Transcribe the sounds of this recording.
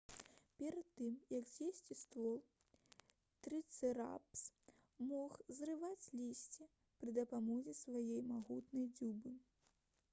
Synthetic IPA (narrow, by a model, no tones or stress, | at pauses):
pʲɛɾɐt̪ːɨmjɐɡzʲjesʲt͡sʲist̪vɔlˠ | t̪ɾɨt̪sɛɾa̰ps | mɔxzrɨvat͡sʲlʲisʲt͡sʲi | pɾɨd̪ɐpamɔzʲisvajɛjmaɣut̪nɐjd͡zʲubɨ